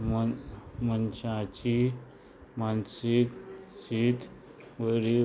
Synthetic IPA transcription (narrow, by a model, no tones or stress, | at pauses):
mənɕãt͡ɕi | mansiksit̪ | ʋəɾi